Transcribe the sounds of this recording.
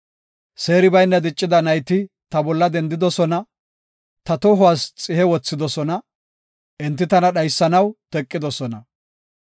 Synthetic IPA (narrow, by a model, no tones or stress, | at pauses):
se̞ːɾɪbɐjnːɐd̪ɪt͡ʃʼːɪd̪ɐnɐjt̪ɪ | t̪ɐbɔlːɐd̪ɛnd̪ɪd̪ɔsɔnɐ | t̪ɐt̪ɔɦʊwast͡sʼɪhɛwɔt͡sːɪd̪ɔsɔnɐ | ʔɛnt̪ːɪt̪ɐnɐɗɐjsːɐnɐwt̪ɛkʼːɪd̪ɔsɔnɐ